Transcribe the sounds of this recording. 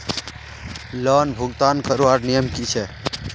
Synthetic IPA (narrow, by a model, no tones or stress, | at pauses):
lɔnbʱuɡt̪aːnkəɾuaɾnijəmkit͡ʃʰɛ